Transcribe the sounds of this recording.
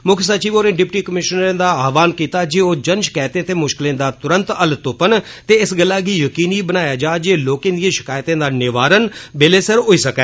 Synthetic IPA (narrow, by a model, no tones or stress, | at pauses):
mʊkʰsət͡ʃiːboːɾnẽːɖɪpʈiːkəmɪʃnɾẽːd̪aːaːʋaːnkiːt̪aːd͡ʒiːoːd͡ʒənʃkɛːt̪ẽːt̪eːmʊʃkɪlẽːd̪aːt̪ʊɾənt̪əlt̪ʊpənt̪eːɪsɡəlːaːɡiːjəkiːniːbənaːjaːd͡ʒaːd͡ʒeːloːkẽːd̪ijẽːʃɪ̥kaːjt̪ẽːd̪aːnɪʋaːɾənbeːleːsəɾɦoiːsəkɛː